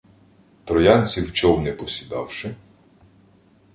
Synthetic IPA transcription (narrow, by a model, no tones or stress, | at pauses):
t̪ɾɔjɑnʲt͡sʲiwt͡ʃɔwnɛpɔsʲid̪ɑ̰wʃɪ